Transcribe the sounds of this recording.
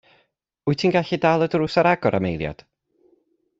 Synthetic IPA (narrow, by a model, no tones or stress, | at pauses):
ʊɨtʰiːnɡaɬidaːlˠədrʊːsaɾaɡɔɾʔa̰mejlˠja̰d̥